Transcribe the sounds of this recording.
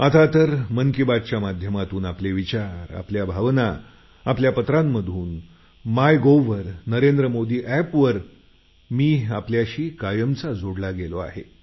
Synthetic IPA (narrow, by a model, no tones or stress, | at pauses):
at̪at̪əɾməŋkibad̪t͡ɕjamad̪ʱjəmat̪uːnapleʋit͡ɕaɾa̰pljabʱaʋna | apljapət̪ɾamːəd̪ʱuːn | majɡoʋəɾnəɾend̪ɾəmod̪iːʔæpʋəɾ | miːapljaɕiːkajəmt͡sad͡zʱoɽlaɡeloa̰ɦḛ